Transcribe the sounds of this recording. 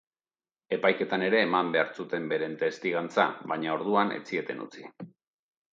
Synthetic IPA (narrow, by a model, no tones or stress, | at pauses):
e̞pajke̞t̪ane̞ɾe̞ːmambe̞aɾt͡sut̪e̞mbe̞ɾe̞nt̪e̞st̪iɣant͡sa̰βaɲao̞ɾðuanḛt͡sie̞t̪e̞nṵt͡si